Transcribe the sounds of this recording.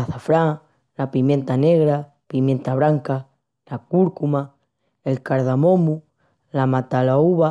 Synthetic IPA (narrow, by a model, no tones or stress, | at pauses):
aθafɾa | lapimjẽnt̪aneɣɾa | pimjẽnt̪aβɾaŋka | lakuɾkuma | elkaɾðamomu | lamat̪alauβa